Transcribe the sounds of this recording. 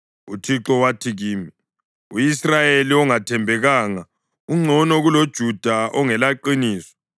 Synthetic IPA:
utʰiǁɔwatʰiɣiːmi | ujisrajeliɔŋatʰɛmbʱɛɣaːŋa | uŋ͡ǀʱɔnɔɣulod̥ʒ̥ʱud̥ʱaʔɔŋɛlaǃiniːsɔ̥

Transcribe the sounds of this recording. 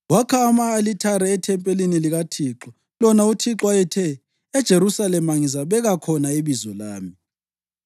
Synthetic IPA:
wakʰaːmaːlitʰaɾɛːtʰɛmpʼeliniliɣatʰiːǁɔ | lɔnautʰiǁwajɛtʰɛː | d̥ʒ̥ʱeɾusalɛmaŋizaβɛɣakʰɔnaiβizɔlaːmi

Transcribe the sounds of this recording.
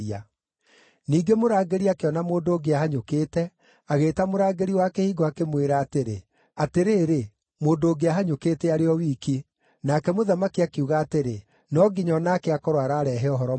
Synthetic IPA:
a | niːɡemoɾaːɡeɾiakeɔnamoːndoːɡeaɦaɲokeːtɛ | aɣeːtamoɾaːɡeɾiwaːkehiːɡɔakemweɾaːteɾḛ | ateɾeːɾe | moːndoːɡeaɦaɲokeːteaɾeɔwiːki | nakɛmoðamakiakeuɣaːteɾe | nɔɡiɲɔnakeakɔɾwaɾaːɾɛɦɛɔɦɔɾɔ

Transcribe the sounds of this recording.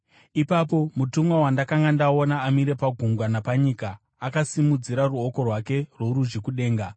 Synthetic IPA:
ipapo̞mutumwawandakaŋɡandao̞naːmiɾe̞paɡʱuŋɡwanapaɲikaː | kasimud͡ziɾaruoko̞rwake̞rwo̞ɾuʒekuɗe̞ːŋɡa

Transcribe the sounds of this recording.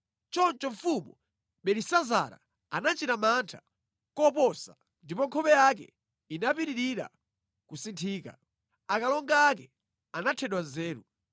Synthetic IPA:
t͡ʃɔnt͡ʃɔɱfumɔ | ɓɛɾisaza̰ɾa̰ | anat͡ʃitamantʰḁ | kɔpɔsa̰ | ndipɔŋkʰɔpɛjak̬ɛ̰ | inapiɾiɾiɾa̰ | kusintʰiːka̰ | akalɔŋɡaːkɛ | anatʰɛɗwanzɛːɾu

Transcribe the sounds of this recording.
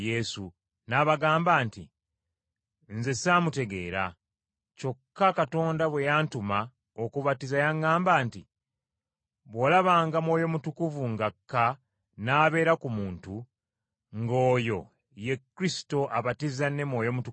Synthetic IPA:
je̞su | naβaɡaːmbaːntḭ | nze̞samute̞ɡe̞̰ːɾa̰ | co̞kːakato̞ːndaβwe̞jaːntuma | o̞kuβatizajaŋɡaːmbaːnti | βwo̞laβaːŋɡamwo̞ːjo̞mutukuvuŋɡakʰːa | naːβe̞ːɾakumuːntu | ŋɡo̞ːjo̞̰ | je̞kːɾisi̥to̞ʔaβatizanːe̞mwo̞ːjo̞mutu

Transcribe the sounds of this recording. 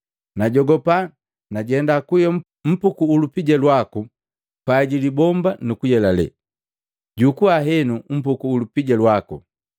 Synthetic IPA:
naɟɔɡɔpa | naɟɛndakujɔ | m̩pukuːlupiɟalwaku | paɟilibɔmbanukujɛlalɛ̰ | ɟukuaɦɛnum̩pukuːlupiɟalwaku

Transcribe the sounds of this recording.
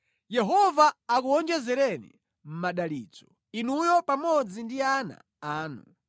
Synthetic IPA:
jɛɦɔvaːkuɔnd͡ʒɛzɛɾɛnḭ | m̩maɗaliːt͡sɔ̥ | inujɔpamɔd͡zindiana̰ | aːnṵ

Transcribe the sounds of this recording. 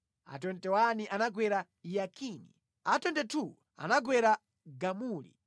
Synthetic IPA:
a̰tɔntɛwaniʔanaɡwɛɾa | jakʰini | atɔntɛtʰu | a̰naɡwɛɾa | ɡamuːlḭ

